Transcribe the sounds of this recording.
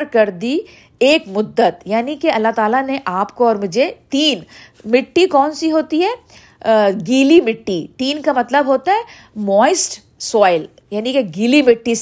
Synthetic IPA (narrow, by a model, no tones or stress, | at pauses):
ɾkɐɾd̪i | eːkmʊd̪ːət̪jaːnikeɐlːaɦt̪aːlaneʔaːpkoɔːɾmʊd͡ʒʱet̪iːn | mɪʈːikɔːnsiɦoːt̪iɦɛː | ɡiːlimɪʈːit̪iːnkamɐt̪ləbɦoːt̪aɦɛ | mɔːɪsʈ | sɔːɪl | jaːnikeɡiːlimɪʈːis